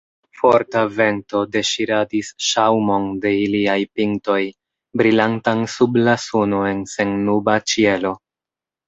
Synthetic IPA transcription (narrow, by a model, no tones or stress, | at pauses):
fo̞ɾtave̞nto̞de̞ʃiɾadisʃawmo̞nde̞iliajpiŋto̞j | bɾilantansublasunoe̞nse̞nːubat͡ʃie̞lo̞